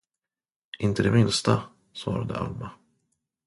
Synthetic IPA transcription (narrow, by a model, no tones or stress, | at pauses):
ʔɪnt̪əd̪ɛmɪnst̪a | svɑːɾad̪ə̰ʔa̰lma